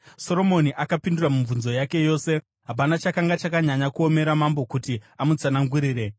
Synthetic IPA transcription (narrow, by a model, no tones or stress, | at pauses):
so̞ɾo̞mo̞niʔakapinduramuɱvunzo̞jake̞jo̞ːse̞ | ɦap̬anat͡ʃakaŋɡat͡ʃakaɲaɲakuo̞me̞ɾamambo̞kutiamud͡zanaŋɡuɾiːɾe̞